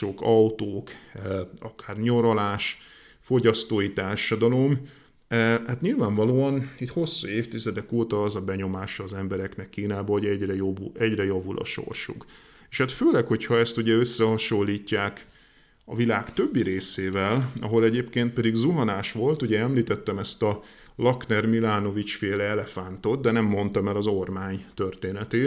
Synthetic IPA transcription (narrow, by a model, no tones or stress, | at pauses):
oːkɒwt̪oːk | ɒkaːrɲo̞ɾolaːʃ | fo̞ɟɒst̪oːjit̪aːrʃɒd̪ɒlo̞m | hat̪ɲilvaːɱvɒloːɒnit̪ho̞sːueːft̪izɛd̪ɛkoːt̪ɒːzɒbɛɲo̞maːʃɒːzɛmbɛɾɛknɛkːiːnaːbɒɦo̞ɟɛɟrɛjobuɛɟrɛjɒvulʔɒ̰ʃo̰rʃṵk | eːʃhat̪føːlɛkho̞chɒɛst̪uɟɛø̞sːɛhɒʃo̞lːiːcːaːk | ɒ̰vilaːkt̪ø̞bːiɾeːseːvɛlɒ̰ɦo̞lɛɟeːpkeːnt̪̚pɛd̪iɡzuɦɒnaːʃʋo̞lt̪uɟɛɛmliːt̪ɛt̪ːɛmɛst̪ɒ | lɒknɛrmilaːno̞vit͡ʃfeːlɛɛlɛfant̪o̞t̪̚d̪ɛnɛmːo̞nt̪ɒmɛlɒzo̞rmaːɲt̪ørt̪eːnɛt̪eː